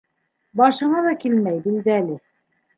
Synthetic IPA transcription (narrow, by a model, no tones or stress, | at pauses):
bɑʃɤ̆ɴɑðɑkilmæjbild̪ɘælɘ